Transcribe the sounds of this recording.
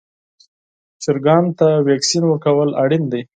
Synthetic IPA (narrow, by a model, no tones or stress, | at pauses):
t͡ʃɪɾɡɑnt̪awɑksinwəkawəlaɽind̪ej